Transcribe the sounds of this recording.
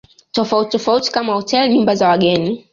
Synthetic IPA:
tɔfauti̥tɔfauti̥kamahɔtɛlɲumbazawaɠɛni

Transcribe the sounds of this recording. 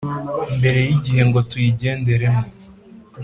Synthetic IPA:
mbe̞ɾe̞jiɟihe̞ŋɡo̞tujiɟe̞ːnde̞ɾe̞mo

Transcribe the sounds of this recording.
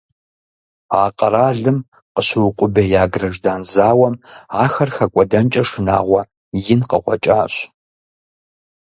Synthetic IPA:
aːqʼɐɾaːɮɨm | qəɕɨwʊqʷʼʊbɐjaːɡrɐʒdaːnzaːwɐmaːxɐrxɐkʷʼɔdɐnt͡ʃʼɐʂɨna̰ːʁʷɐ | jɪnqə̰χʷɔ̰t͡ʃʼaːɕ

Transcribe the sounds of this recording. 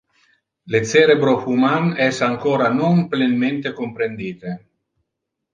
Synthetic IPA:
let̪seːɾebɾofumanɛsaŋkoːɾanomplenment̪ekompɾend̪iːt̪e

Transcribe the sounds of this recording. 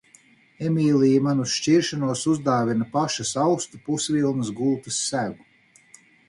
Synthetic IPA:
emiːlijimanusʃt͡ʃiɾʃanuɔsuzd̪aːvinɐpaʃasawst̪upusvilˠnɨsɡuːt̪ɨsːæɡu

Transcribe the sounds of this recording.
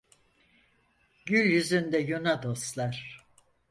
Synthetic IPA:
ɟylʲjyzynd̪ɛjonad̪o̞st̪lˠaɾ̥

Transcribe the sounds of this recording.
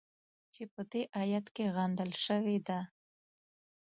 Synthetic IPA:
t͡ʃepəd̪eʔɑjat̪keɣand̪əlʃəwed̪a

